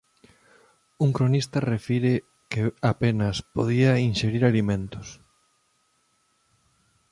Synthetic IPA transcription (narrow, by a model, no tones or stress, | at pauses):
uŋkɾonist̪ɐrefiɾɪ | kɪapenɐspoðiɐinʃeɾiɾalimẽnt̪ʊs